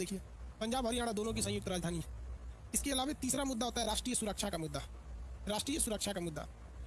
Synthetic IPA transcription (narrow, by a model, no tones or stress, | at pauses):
eːkʰie | pɐ̃ɲd͡ʒaːbɦəɾijaːɽad̪oːnõk̬isɐ̃jʊk̚t̪ɾaːd͡ʒd̪ʱaːniɦɛ | ɪskeɐlaːʋet̪iːsɾamʊd̪ːaɦoːt̪aɦɛɾaːʃʈɾiːjəsʊɾəkʃakamʊd̪ːa | ɾaːʃʈɾiːjəsʊɾəkʃakamʊd̪ːa̰